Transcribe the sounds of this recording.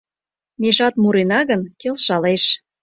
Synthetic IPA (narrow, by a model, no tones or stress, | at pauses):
meʒɑt̪muɾenɑɣənkelʃɑleʃ